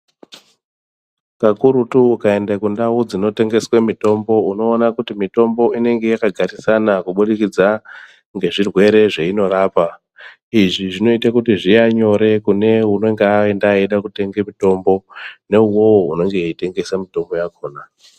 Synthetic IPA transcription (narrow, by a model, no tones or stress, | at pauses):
kakuɾutuːkae̞ndakundaud͡zino̞te̞ŋɡe̞swemito̞mbo̞uno̞ːnakutimito̞mbo̞ine̞ŋɡe̞jakaɡʱaɾisanakuɓuɗikid͡za | ŋɡe̞ʐirwe̞ɾe̞ʐeino̞raːpa | iʐiʐino̞itakutiʐijaɲo̞ɾe̞kune̞uno̞ŋɡeaendaeɗakute̞ŋɡemito̞mbo̞ne̞uwo̞woune̞ŋɡe̞ite̞ŋɡe̞samito̞mbo̞jako̞ːna